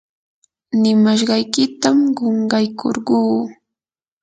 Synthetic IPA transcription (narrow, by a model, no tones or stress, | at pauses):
nɪmaʃ̬ɢɑjkɪt̪amɢoɴɢɑjkʰo̰ɾɢuː